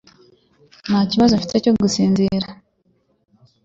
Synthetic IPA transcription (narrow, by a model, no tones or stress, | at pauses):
nhaːciβazoɱfiteco̞ɡusiːnziɾa